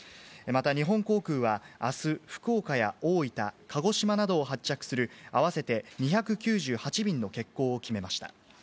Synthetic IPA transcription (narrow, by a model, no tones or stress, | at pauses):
mat̪aɲ̟iɦõ̞ŋko̞ːkɯ̟ːβaasɨɸɯ̟̥ko̞ːkajao̞ːit̪a̰kʰaɡo̞ɕimanad̪o̞ːɦat͡ɕːakɯ̥sɨɾɯ̟aβ̞ase̞t̪e̞ɲ̟içakɯ̟kʲɨːʑɨːhat͡ɕibʲĩnːo̞ke̞kːo̞ːokʲime̞maɕi̥t̪a̰